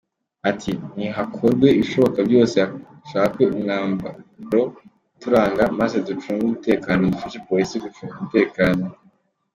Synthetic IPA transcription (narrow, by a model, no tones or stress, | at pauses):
atʰiniɦakʰo̞ɾɡwe̞iʃo̞βo̞kabjo̞ːseha | ʃaːkweuŋaːmbaɾo̞ | tuɾaːŋɡamazedut͡ʃuːŋɡumute̞ːkaːno̞dufaʃepolisiɡufinumute̞ːkaːno̞